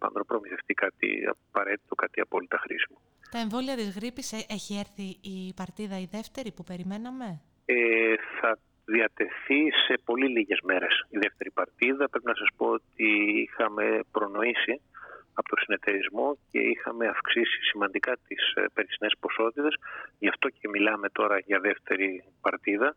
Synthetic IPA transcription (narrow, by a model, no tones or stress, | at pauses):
pɐ̰nd̪onpɾo̞miθe̞ft̪ikɐt̪ḭɐ̰pɐɾe̞t̪i̥t̪o̞kɐt̪iɐ̰po̞lit̪ɐxɾḭsi̥mu | t̪ɐeɱvo̞liɐt̪izɣɾipiseçieɾθiːpɐɾt̪iðɐiðe̞ft̪e̞ɾipupe̞ɾime̞nɐme̞ | eθɐ | ðiɐt̪e̞θise̞po̞liliʝe̞zme̞ɾe̞siðeft̪e̞ɾipɐɾt̪iðɐpɾepinɐsɐspo̞ot̪iixɐme̞pɾo̞no̞isiɐpot̪osine̞t̪e̞ɾizmo̞ce̞̰ixɐmeɐfksisi̥simɐnd̪ikɐt̪ispe̞ɾisnespo̞so̞t̪it̪e̞sʝɐft̪o̞ce̞milɐme̞t̪o̞ɾɐʝɐðe̞ft̪e̞ɾipɐɾt̪iðɐ